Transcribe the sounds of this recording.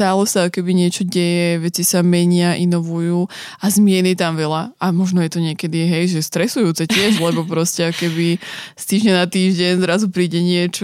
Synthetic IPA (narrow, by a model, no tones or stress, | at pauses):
t̪aːlɛsaakɔkɛbiɲɪɛt͡ʃɔɟɛjɛʋɛt͡sisamɛɲɪaʔinɔʋujuː | ʔazmɪɛnit̪amʋɛʎaamɔʒnɔjɛt̪ɔɲɪɛkɛd̪iɦɛjʒɛst̪ɾɛsujuːt͡sɛcɪɛʒlɛbɔpɾɔscɛakɔ̥kɛbist̪iːʒɲanat̪iːʒɟɛɲzɾazupɾiːɟɛɲɪɛt͡ʃ